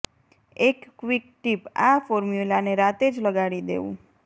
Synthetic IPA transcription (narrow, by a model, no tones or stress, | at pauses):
ekːʋikʈipafoɾmjulaneɾat̪ed͡ʒləɡaɽid̪ḛṵ̃